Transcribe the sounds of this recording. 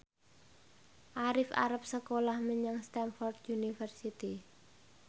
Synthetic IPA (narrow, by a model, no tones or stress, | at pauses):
ʔaɾɪfa̰ɾap̚səkolahməɲaŋst̪ɛnfɔrd̪junifərsit̪i